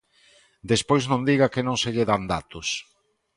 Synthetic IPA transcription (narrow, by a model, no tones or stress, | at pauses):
d̪espojznõnd̪iɣakenõŋseʎeðand̪a̰t̪ʊs